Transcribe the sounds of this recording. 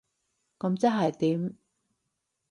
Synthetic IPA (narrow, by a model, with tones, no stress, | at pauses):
kɐ˨˧˥mt͡sɐ˥nɦɐ˨jt̪iː˨˥m